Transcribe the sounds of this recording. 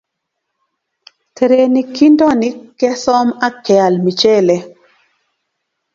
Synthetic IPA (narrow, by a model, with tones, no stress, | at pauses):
tʰe˨ɾe˨ni˨ki˦ndɔ˦ni˦kːɛ˦sɔ˦ma˦kɛ˨a˨lmi˨t͡ʃe˦˨le˨